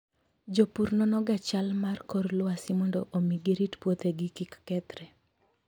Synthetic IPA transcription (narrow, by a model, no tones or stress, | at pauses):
d͡ʒopuɾnɔnɔɡat͡ʃalmarkɔrlʊwasɪmɔndɔʔomiɡeɾitpwot̪eɡɪkɪkːɛt̪ɾɛ